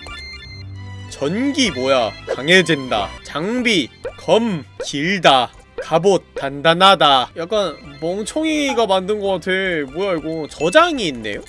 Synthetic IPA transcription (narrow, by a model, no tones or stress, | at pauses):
t͡ɕʌnɡimojakaŋe̞d͡ʑenda̰t͡ɕaŋbikʰʌmkiɭda | kabot͈ːandanɦadajak͈anmʌŋt͡ɕʰʌŋiɡamandɯnɡʌk͈atʰe̞mojaiɭɡot͡ɕʌd͡ʑaŋiːnːe̞̰jo